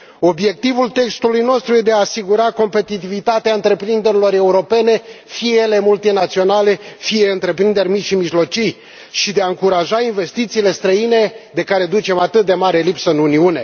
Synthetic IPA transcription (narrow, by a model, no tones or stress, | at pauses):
o̞bje̞k̚t̪ivult̪e̞kst̪ulujno̞st̪ɾujed̪eaːsiɡuɾako̞mpe̞t̪it̪ivit̪at̪eaɨnt̪ɾe̞pɾind̪e̞ɾilo̞ɾe̞uɾo̞pe̞ne̞fiele̞mult̪inat̪sio̞nale̞fieɨnt̪ɾe̞pɾind̪e̞rʲmit̪ʲʃimiʒlo̞t͡ʃij | ʃid̪eaɨŋkuɾaʒainve̞st̪it̪siːle̞st̪ɾəine̞d̪e̞kaɾe̞d̪ut͡ʃe̞mat̪ɨt̪̚d̪e̞maɾe̞lipsəɨnuniune̞